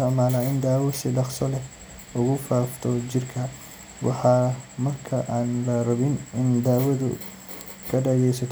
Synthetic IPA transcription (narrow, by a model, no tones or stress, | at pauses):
ɔʕmaːlaːɪnd̪aːwɐsɪɖɑqsɔlɛ | ʊɣʊfaːft̪ʰɔt͡ʃɪrkʰɐ | wɑħɑːmɐrkʰɐʔaːnlɐrɐβɪnɪnd̪aːwɐðʊ̰ | kʰɐɖɐɣɛjsɐt̪ʰ